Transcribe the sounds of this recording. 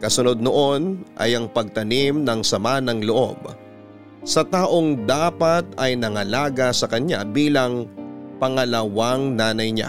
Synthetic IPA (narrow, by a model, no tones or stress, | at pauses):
kɐsʊno̞d̪̚noʔo̞nʔɐ̰jɐŋpɐɡ̚t̪ɐnimnɐŋsɐmanɐŋloʔo̞̰b̚ | sɐt̪aːʔo̞ŋd̪aːpɐt̪̚ɐjnɐŋɐlaːɡɐsɐkɐɲa̰biːlɐŋpɐŋɐlɐwaŋnaːnɐjɲa̰